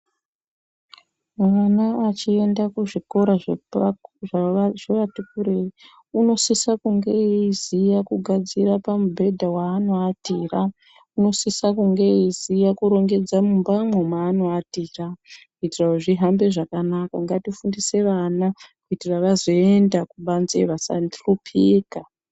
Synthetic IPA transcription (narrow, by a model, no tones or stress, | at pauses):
manaat͡ʃie̞ndakuʐiko̞ɾaʐ | ʐaʐeʋatukuɾei | uno̞sisakuŋɡe̞izijakuɡʱad͡zirapamubʱe̞dʱawaːno̞atiːra | uno̞sisakuŋɡe̞izijakuɾo̞ŋɡe̞d͡zamumbamwo̞maːno̞atiːrakuitiraoʐiɦambe̞ʐakanakaŋɡatifundise̞ʋanakuitiraʋazo̞endakuɓanzeʋasa̰ndrupʰiːka